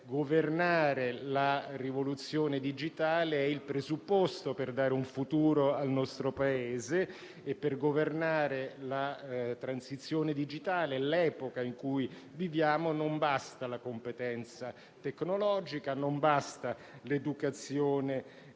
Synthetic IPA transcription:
ɡovernaːɾelarivolut̪sːjoːned̪id͡ʒit̪aːleɛilpɾezupːɔst̪operd̪aːɾeuɱfut̪uːɾoalnɔst̪ɾopaeːzeː | pːerɡovernaːɾelat̪ɾansit̪sːjoːned̪id͡ʒit̪aːleɛlɛːpokaiŋkuj | vivjaːmonombast̪alakompet̪ɛnt̪sa | t̪ekːnolɔːd͡ʒikanombast̪a | led̪ukat̪sːjoːne

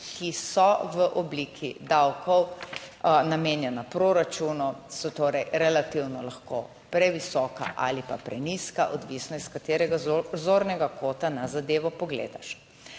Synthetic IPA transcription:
kisɔʋəʔɔbliːkʰid̪awkɔw | nameːnjɛnapɾoːɾat͡ʃunɔsɔt̪oːɾɛjɾɛlat̪iwnɔlaxko | pɾɛʋisɔːka̰ʔa̰lipa̰pɾɛniskaʔɔd̪ʋisnɔiskat̪eːɾɛɡazoɾnɛɡakoːt̪anazad̪eːʋɔpɔɡlḛːd̪aʃ

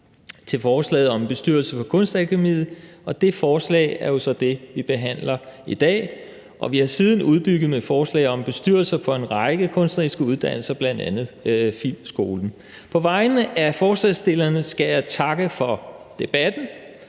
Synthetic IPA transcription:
t͡sʰe̝lfɒːslɛ̰ːð̩ˠɒ̽mb̥e̝sd̥yɐ̰lsəfɒ̽kʰɔ̽nsd̥ækʰemḭːð̩ˠ | ɒ̽d̥e̝fɒːslɛ̰ːɪæɐjo̝sɒ̽d̥e̝ʋib̥e̝ɦæn̰lɐid̥ɛ̰ː | ʔɒ̽ʋihɑ̈siːð̞ˠn̩uð̞ˠb̥yɡ̥ð̩ˠmefɒːslɛ̰ɪɒ̽mb̥e̝sd̥yɐ̰l̩sɐfʰɒ̽e̝nʁɑ̈ɪɡ̥əkʰɔ̽nsd̥ʁisɡ̥əuð̞ˠd̥æn̰l̩sɐb̥lænd̥ænð̞̩ˠfilmsɡ̥o̝ːln̩ | pʰɒ̽ʋɑ̈ɪnəʔæɐfɒːslɛsd̥e̝lɐnəsɡ̥æjɑ̈ɪt͡sʰɑ̈ɡ̥əfɒ̽d̥e̝b̥æd̥n̩

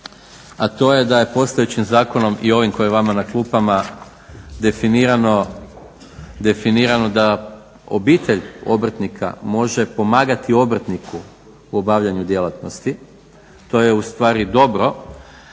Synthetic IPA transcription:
at̪o̞je̞d̪aje̞po̞st̪ajut͡ɕimzaːko̞no̞mʔḭo̞ʋimko̞jeʋamanaklˠuːpama | d̪efiniɾano | d̪efiniɾano̞d̪a | o̰biːt̪e̞ʎo̞̰br̩t̪nikʰa̰mo̞ʒe̞po̞maːɡat̪io̞br̩t̪nikʰu | uo̞baːʋʎaɲud̪je̞lat̪no̞st̪i | t̪o̞je̞ust̪ʋaːɾid̪o̞bɾo̞

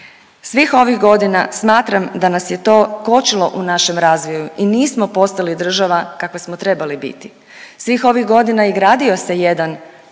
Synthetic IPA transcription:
sʋixo̞ʋixɡo̞d̪inasmaːt̪ɾamd̪anasje̞t̪o̞ːko̞t͡ʃilo̞ʔunaʃe̞mɾaːzʋojuʔiniːsmo̞po̞st̪alid̪r̩ʒaʋakakʋasmot̪ɾe̞balibḭt̪i | sʋixo̞ʋiɣɡo̞d̪inaiɡɾaːd̪io̞se̞jed̪an

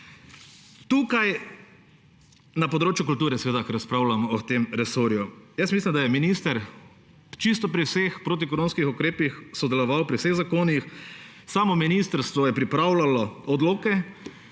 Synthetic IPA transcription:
t̪uːkaj | napɔd̪ɾoːt͡ʃjʊk̬ult̪uːɾɛsɛʋeːd̪akɛɾaspɾaːʊlamɔːt̪emɾɛsoɾjujəsmislʲimd̪ajɛminiːst̪əɾ | t͡ʃist̪ɔpɾiwsexpɾoːt̪̬ikɔɾoːnskixʊkɾeːpixsɔd̪ɛlɔʋawpɾiwseɣzakoːnix | saːmɔminiːst̪əɾst̪ʋɔjɛpɾipɾaːwlalɔɔd̪loːkɛ

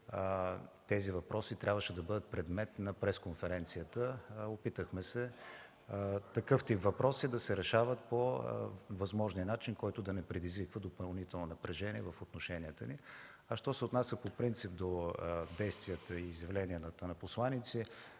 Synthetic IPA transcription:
t̪ɛzivɐpɾɔsit̪ɾʲabvəʃɛd̪ɐbɤd̪ət̪̚pɾɛd̪mɛt̪nɐpɾɛskonfɛɾɛnt̪sijət̪əopit̪əxmɛsɛ | t̪ɐkɤft̪ipvɐpɾɔsid̪ɐsɛɾɛʃavət̪̚po | vɐzmɔʒniənat͡ʃinkɔjt̪ʊd̪ɐnɛpɾɛd̪izvikvəd̪opɐlˠnit̪ɛlˠnonɐpɾɛʒɛniɛvɐfot̪noʃɛniət̪əni | ɐʃt̪ɔsɛʊt̪nasʲjəpopɾint̪sip̚d̪od̪ɛjst̪vijət̪əiːzjɐvlɛniənt̪ənɐposlˠanit̪si

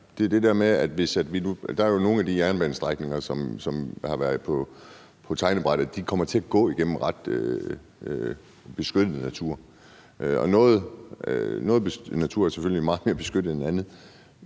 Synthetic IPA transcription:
d̥e̝æɐd̥e̝d̥æɐmeæd̥ʋe̝sæd̥ʋinud̥ɑ̈æɐjo̝no̝ːn̩æd̥iæɐnb̥ænsd̥ʁɑ̈ɡ̥ne̝ŋɐsɒ̽msɒ̽mhɑ̈ʋæɐð̩ˠpʰɒ̽ | pʰɒ̽t͡sʰɑ̈ɪnəb̥ʁɑ̈d̥ð̩ˠd̥ikʰɒ̽m̰ɐt͡sʰe̝æɡ̥ɔ̰̽ːiɡ̥en̰m̩ʁɑ̈d̥ø | b̥e̝sɡ̥ød̥ð̩ˠənæt͡sʰuɐ̰ | ɒ̽nɔ̽ːð̩ˠ | nɔ̽ːð̞̩ˠb̥enæt͡sʰuɐ̰æɐseføllimɑ̈ːð̩ˠme̝ɐb̥e̝sɡ̥ød̥ð̩ˠennænð̩ˠ

